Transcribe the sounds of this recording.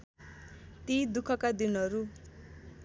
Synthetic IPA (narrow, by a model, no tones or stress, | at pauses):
t̪id̪ukʰʌkad̪inɦʌɾu